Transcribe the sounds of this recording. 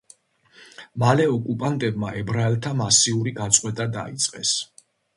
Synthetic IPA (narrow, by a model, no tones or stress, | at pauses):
malɛɔkʼupʼant̪ʼɛbmaʔɛbɾaɛlt̪ʰamasiuɾiɡat̪sʼqʼwɛt̪ʼad̪a̰it̪sʼqʼɛ̰s